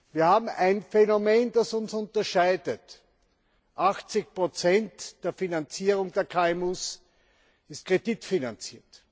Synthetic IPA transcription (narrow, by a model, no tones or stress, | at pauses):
viːɐhaːbm̩æɪnfɛnomeːnd̥asʊnsʊntɐʃaɪdət | ʔaxt͡sɪçpʁot͡sɛntd̥eːɐfinant͡siːʁʊŋdeːɐkʰaːɛmuːs | ɪst̚kʁ̥ed̥itfinant͡siːɐt